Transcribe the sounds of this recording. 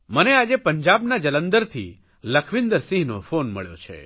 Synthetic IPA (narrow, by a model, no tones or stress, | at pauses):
mənead͡ʒepəɲd͡ʒabnad͡ʒələnd̪əɾt̪ʰḭ | ləkʰʋɪnd̪əɾsĩɦno̰fonmə̰ɭjo̰t͡ʃʰḛ